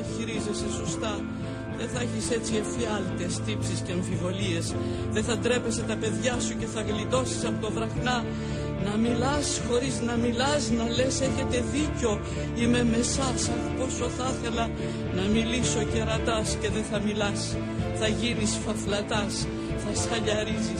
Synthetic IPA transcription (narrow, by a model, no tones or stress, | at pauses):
çiɾize̞se̞sost̪ɐ | ðe̞θɐeçise̞t͡siefiɐlt̪est̪ipsisceːɱfivo̞lie̞s | ðe̞θɐt̪ɾe̞pe̞se̞t̪ɐpe̞ðʝɐsuce̞θɐɣlit̪o̞si̥sɐpot̪o̞vɾɐxnɐ | nɐmilɐsxo̞ɾiznɐmilɐznɐle̞se̞çe̞t̪e̞ðiceo̞ | ime̞me̞sɐsɐnpo̞so̞θɐθe̞lɐ | nɐmiliso̞ce̞ɾɐt̪ɐsce̞ðe̞θɐmilɐs | θɐʝinisfɐflɐt̪ɐs | θɐsxɐʎɐɾizi